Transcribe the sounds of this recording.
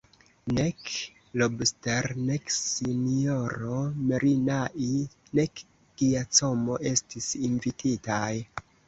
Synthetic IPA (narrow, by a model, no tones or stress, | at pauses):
ne̞k | lobsteɾne̞ksinio̞ɾo̞meɾinaʔi | ne̞k | ɡ̥iat͡so̞mo̞ʔe̞stisinvitʰitaj